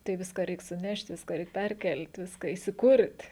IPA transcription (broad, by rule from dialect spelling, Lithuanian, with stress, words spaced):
tɐɪ ˈʋʲɪskɑː ˈrʲɛɪk sʊˈnʲɛʃʲtʲ ˈʋʲɪskɑː ˈrʲɛɪk ˈpʲɛrʲˌkʲɛlʲtʲ ˈʋʲɪskɑː iːsʲɪˈkʊrʲtʲ